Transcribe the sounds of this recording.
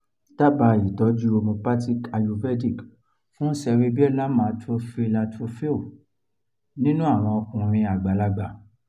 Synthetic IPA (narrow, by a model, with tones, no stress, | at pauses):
ta˦ba˧˨i˨tɔ˨˦d͡ʒu˦o˧mõ˧pa˦ti˦ka˧jo˧vɛ˦di˦˨k | fũ˦sɛ˧ɾe˦bi˦ɛ˦la˦mãː˨˧˦tɾo˦fe˦la˧tɾo˦fe˦o˦˨ | nĩ˦nũ˦a˦˨w̃ɔ̃˧ɔ˧kũ˧ɾ̃ĩ˧a˨ɡ͡ba˨la˧˦ɡ͡ba˦˨